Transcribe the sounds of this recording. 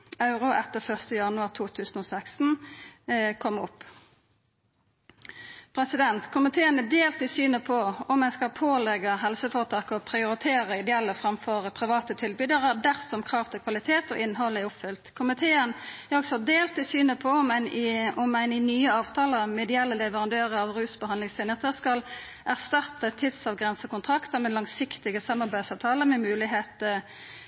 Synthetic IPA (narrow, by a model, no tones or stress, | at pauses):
ɑʉʁʊʔɛt̪ːəʁfœʁst̪əjɑnʉɑːʁt̪ʰuːt̪ʰʉːsn̩ɔːsækst̪n̩ | kʰɔmʊpː | pʰɾɛsɪd̪ɛnt̪kʰʊmɪt̪ʰeːənəd̪eːlt̪ɪsyːnəpʰɔɔmːɛnskɑpʰoːlɛɡəɦɛlsəfoːʁt̪ʰɑːkəɔpʰʁɪʊɾɪt̪ʰeːʁəɪd̪ɛɛlːəfʁɑmfɔʁəpʰʁɪʋɑːt̪ət̪ʰɪlbyd̪əʁəd̪æʁsɔmkʰʁɑːʋt̪ʰɪkʰʋɑlɪt̪ʰeːt̪ɔ̰ʔɪnːɦɔlːəɛʊpfʏlt̪kʰʊmɪt̪ʰeːənæɾɔɡsɔd̪eːlt̪ɪsyːnəpʰɔɔmænɔmæɪnɪnyːəɑːʋt̪ʰɑːləmɛd̪ɪɛlːəlɛʋəʁɑnd̪øːʁəɑʋʁʉːsbəhɑnd̪lɪŋst̪ʰɪːnət̪əɾskɑl | ʔæʁst̪ɑt̪ət̪ʰɪd̪sɑʋɡʁɛnsəɔkʊnt̪ʰɾɑkt̪əmɛlɑŋsɪkt̪ɪɡəsɑmːɑɾbæɪsɑːʋt̪ʰɑːləʁmɛmʉːlɪɦeːt̪ə